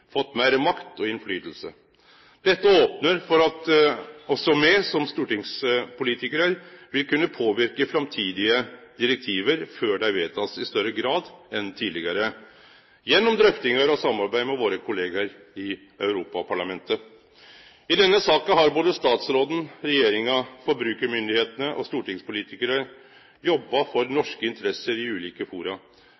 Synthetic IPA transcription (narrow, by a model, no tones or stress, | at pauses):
fɔt̪ːmæɪɾəmɑkt̪ɔɪnflyːt̪l̩sə̰ | d̪̥ɛt̪ːəoːpnəɾfɔɾɑt̪ɔsɔmɛsɔmst̪uːʈɪŋspʰʊliːt̪ɪkəɾəɾʋɪlkʉnːəpʰoːʋɪɾkəfɾɑmt̪ʰiːd̪ɪəd̪̥ɪɾɛk̚t̪ʰiːʋəɾføːɖɛæɾʋeːt̪ʰɑsɪst̪œɾəɡɾɑːd̪ɛnt̪ʰiːd̪lɪɡəɾə | jɛnːɔmd̪ɾœft̪ɪŋɑɾɔsɑmːɑɾbæɪmɛʋoːɾəkʰʊleːɡɑɾ | ɪ | œʉɾuːpɑpʰɑɭɑmɛnt̪ə | ɪd̪ɛnːəsɑːkənɦɑɾboːd̪əst̪ɑːt̪sɾoːd̪n̩ɾɛjeːɾɪŋɑfɔɾbɾʉːkəɾmʏnd̪ɪheːt̪ənəʔɔ̰st̪uːʈɪŋspʊliːt̪ɪkəɾə | jɔbːɑfɔɾnɔʂkəɪnt̪əɾɛsəɾɪʉːliːkəfuːɾɑ